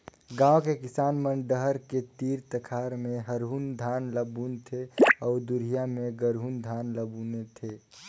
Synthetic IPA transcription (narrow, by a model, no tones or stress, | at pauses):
ɡãːokekɪsaːnmənɖəɦəɾket̪iːɾt̪əkʰaːɾmẽɦəɾɦund̪ʱaːnləbunt̪ʰeɔːɾd̪ʊɾijamẽɡəɾɦund̪ʱaːnləbunet̪ʰe